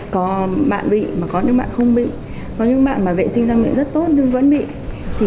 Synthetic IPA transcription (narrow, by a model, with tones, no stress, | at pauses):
kɔ˨˦ɓa̰ː˧˨nɓḭ˧˨maː˨˩kɔ˨˦ɲɨ̰˧˥ŋɓa̰ː˧˨nxə˧wŋ͡mɓḭ˧˨ | kɔ˨˦ɲɨ̰˧˥ŋɓa̰ː˧˨nmaː˨˩vḛ˧˨sï˧ŋ̟zaː˧mḭ˧˨ŋzə˦˥t̚t̪o˦˥t̚ɲɨ˧ŋvə̰˧˥nɓḭ˧˨ | t̪ʰi˨˩